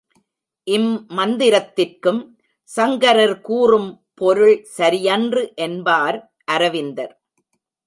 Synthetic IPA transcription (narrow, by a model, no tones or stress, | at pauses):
ʔɪmːɐnd̪ɪɾɐt̪ːɪrkɯm | sɐŋɡɐɾɐɾkuːrɯm | pɔɾɯɭsɐɾɪjɐndrɯʔɛnbaːɾ | ʔɐɾɐʋɪnd̪ɐɾ